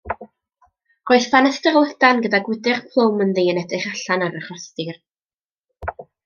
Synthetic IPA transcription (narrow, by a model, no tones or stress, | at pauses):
roɨθfanəstɛrlˠədanɡədaɡwɪdɪχpʰlˠowmənðejənɛdɪχaɬanaɾəχɔstɨr